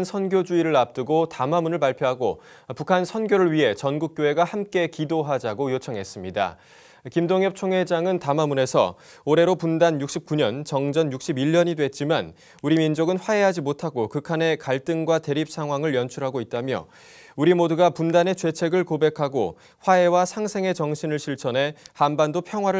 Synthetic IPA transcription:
nsʰʌnɡjod͡ʑuiɾɯɭap̚t͈ɯɡotamamunɯɭpaɭpʰjoɦaɡo̰ | pukʰansʰʌnɡjoɾɯɭɥiɦe̞t͡ɕʌnɡuk͈̚joe̞ɡahamk͈e̞kidoɦad͡ʑaɡojot͡ɕʰʌŋɦe̞s͈ɯmɲida̰ | kimdoŋjʌp̚t͡ɕʰoŋe̞d͡ʑaŋɯntamamune̞sʰʌ̰ | oɾe̞ɾopundanjuk̚ɕ͈ip̚k͈uɲʌnt͡ɕʌŋd͡ʑʌnjuk̚ɕ͈ʰibiʎːʌɲidwe̞t̚t͡ɕ͈iman | uɾimind͡ʑoɡɯnɸwae̞ɦad͡ʑimotʰaɡokɯkʰane̞kaɭt͈ɯŋɡwate̞ɾip̚s͈ʰaŋɦwaŋɯɭjʌnt͡ɕʰuɾɦaɡoit̚t͈amjʌ̰ | uɾimodɯɡapundane̞t͡ɕwe̞t͡ɕʰe̞ɡɯɭkobe̞kʰaɡo̰ | ɸwae̞wasʰaŋsʰe̞ŋe̞t͡ɕʌŋɕʰinɯɭɕʰiɭt͡ɕʰʌnɦe̞hanbandopʰjʌŋɦwaɾɯ

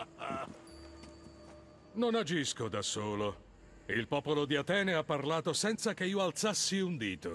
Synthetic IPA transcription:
nonad͡ʒiskod̪asːoːlo | ilpɔːpolod̪iat̪ɛːneapːarlaːt̪osɛnt̪sakeiːoalt̪sasːiund̪iːt̪o

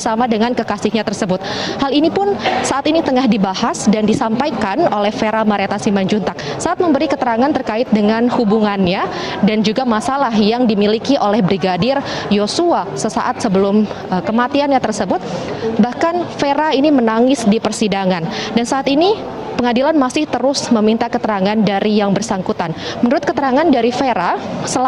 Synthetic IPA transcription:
samadəŋankəkasɪhɲat̪ərsəbʊt̪̚halinipʊnsaʔat̪init̪əŋahdibahasdandisampajkanolɛhfeɾamaɾet̪asimaɲd͡ʒunt̪ak̚ | saʔat̪̚məmbəɾikət̪əɾaŋant̪ərkaɪt̪̚dəŋanhubuŋanɲa | dand͡ʒuɡamasalaɦjaŋdimilikiʔolɛhbɾiɡadɪrjosuasəsaʔat̪̚səbəlʊm | kəmat̪ianɲat̪ərsəbʊt̪̚bahkanfeɾainimənaŋɪsdipərsidaŋandansaʔaːt̪ini | pəŋadilanmasɪht̪əɾʊsməmint̪akət̪əɾaŋandaɾijaŋbərsaŋkut̪anmənuɾʊt̪̚kət̪əɾaŋandaɾifeɾasəl

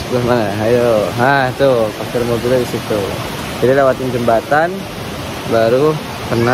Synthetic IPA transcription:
lahmanaɦajoɦaht̪ufak̚t̪ʊrmaɡuladisit̪u | d͡ʒadilewat̪ɪnd͡ʒəmbat̪an | baɾu | pərna

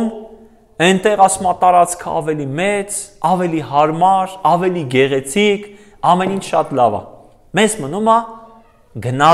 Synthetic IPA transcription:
m | ɛjnt̪ɛʁɑsumɑt̪ɑɾɑt͡skʰə̰ɑ̰vɛlimɛt͡sɑvɛliɦɑɾmɑɾɑvɛliɡɛʁɛt͡sʰikʰ | ɑmɛnint͡ʃʰʃɑt̪lɑvɑ̰ | mɛzmənumɑ | ɡənɑ

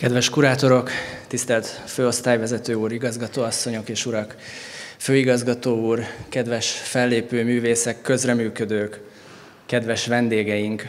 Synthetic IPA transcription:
kɛd̪vɛʃkuɾaːt̪o̞ɾo̞kt̪ist̪ɛlt̪føːo̞st̪aːjvɛzɛt̪øːuːɾiɡɒzɡɒt̪oːɒsːo̞ɲo̞keːʃuɾɒkføːiɡɒzɡɒt̪oːuːrkɛd̪vɛʃfɛlːeːpøːmyːveːsɛkːø̞zrɛmyːkø̞d̪øːkː | ɛd̪ʋɛʃʋɛnd̪eːɡɛjiŋk

